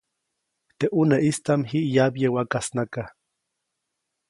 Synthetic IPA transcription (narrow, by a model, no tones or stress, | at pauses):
t̪eʔuneʔist̪amɦiʔjabjewakasnaka